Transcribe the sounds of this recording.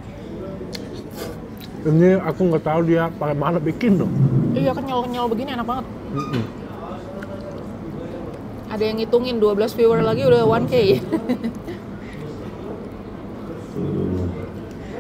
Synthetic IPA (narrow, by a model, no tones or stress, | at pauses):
əmɲiakuŋɡat̪audiapakamanabikɪnd̪ɔijakanɲalɔkəɲalɔbəɡinianak̚baŋət̪̚ | m̩m̩ | ʔadajaŋit̪uŋɪnduabəlasfiwərlaɡiudawankaja